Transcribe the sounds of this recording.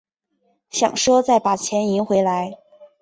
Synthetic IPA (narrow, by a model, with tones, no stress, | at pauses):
ɕjɑ̰˨˩ŋʂwɔ˥t͡sa˥˩ɪpa˨˩t͡ɕʰjɛ˧˥ni˧˥ŋxwe˧˥ɪla˧˥ɪ